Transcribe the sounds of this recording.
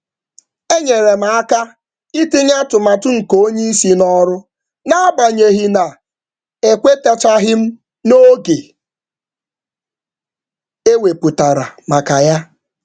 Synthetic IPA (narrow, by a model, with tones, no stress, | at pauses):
e˦ɲe˨ɾe˨m̩˨a˦ka˦ | i˦ti˦ɲa˦tʊ˨ma˨tʊ˦ŋ̩˨ko˦ɲe˦i˦si˦nɔ˦ɾʊ˦ | na˦ɡ͡ba˨ɲe˨ɦi˦na˨ | e˨kʷe˦ta˦t͡ʃa˦ɦɪ˦m̩˦ | no˦ɡe˨ | e˦we˨pu˨ta˨ɾa̰˨ma˨ka˨ja˦